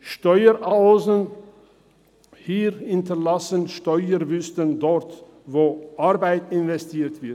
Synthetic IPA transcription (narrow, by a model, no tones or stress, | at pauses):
ʃtɔʏəʔaʊzən | hiːʁhɪntɐlasənʃtɔʏəvʏstəndɔʁt | voːʔaʁbaɪtɪnvɛstʰiːtv̥ɪɐt